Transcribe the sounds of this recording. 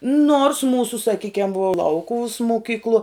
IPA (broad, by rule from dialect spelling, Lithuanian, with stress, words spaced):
noːrs ˈmuːsʊ sɐˈkʲiːkʲɛm ʋuɔ ˈlˠɐʊkʊʋʊs moːˈkʲiːklˠuɔ